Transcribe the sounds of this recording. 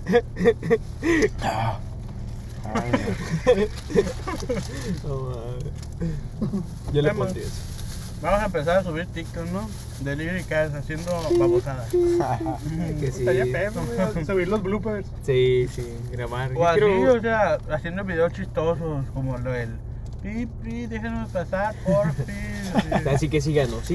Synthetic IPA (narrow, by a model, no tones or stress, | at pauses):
a | o | joleeot̪ieso | bamosaempe̞s̬aɾas̬uβiɾt̪ik̚t̪okno | d̪eliβɾikasasjend̪opaβosaða | kesit̪aiapeðosuβiɾlozβlupeɾssisi | ɡɾaβaɾoaos̬eaasjend̪oβiðeost͡ʃist̪ososkomoloðel | pipiðexenozpasaɾpoɾpiasikes̬iɣanosi